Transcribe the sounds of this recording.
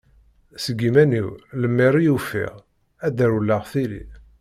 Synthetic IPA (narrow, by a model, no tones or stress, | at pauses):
səɡimæniwləmːiɾijufḭʁ | æd̪əɾulːaʁθilḭ